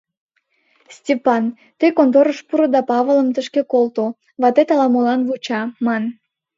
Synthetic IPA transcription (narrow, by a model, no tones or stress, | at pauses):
sʲtʲepɑn | t̪əjkont̪oɾəʃpuɾəd̪ɑpɑβələmt̪əʃkekolt̪o | βɑt̪et̪ɑlɑmolɑnβut͡ɕɑmɑn